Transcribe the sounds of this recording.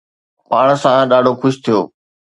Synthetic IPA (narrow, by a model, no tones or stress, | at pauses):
maːɳ̤̃sãɗaːɖʱoxʊʃt̪ʰijo̰ː